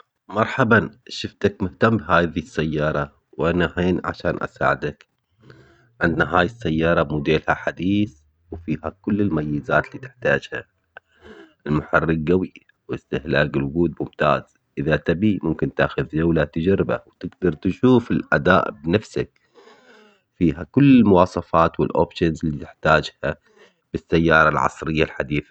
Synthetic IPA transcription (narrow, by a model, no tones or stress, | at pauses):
mɑɾˤħabanʃɪft̪akmʊht̪amːbɦaːðisːajːɑːɾˤɑ | wʔanaheːnʕa̰ʃaːnʔa̰sa̰ːʕɪd̪ak | ʕɪnd̪naɦaːjɪsːajːɑːɾˤɑmʊd̪eːlhaħad̪iːθ | wfiːhakʊlːɪlmajːɪzaːt̪liːt̪ɪ̥ħt̪aːd͡ʒha̰ | ʔɪlmʊħarːɪɡ̚ɡawi | wɪst̪ɪhlaːkɪlwʊɡuːd̪̚mʊmt̪a̰ːz̥ | ʔɪðat̪abimʊmkɪnt̪aːxʊðd͡ʒawlat̪ɪd͡ʒaɾɪba̰wt̪ɪɡd̪ɑɾˤt̪ʃuːfɪlʔad̪a̰ːʔbnafsa̰k̚ | fiːɦakʊlːɪlmʊwɑːsˤɑfɑːt̪wɪlʔo̰ːbʃanzlːit̪ɪħt̪aːd͡ʒha | b̥ɪsːajːɑːɾˤɑlʕɑ̰sˤɾɪjːalħad̪iːθa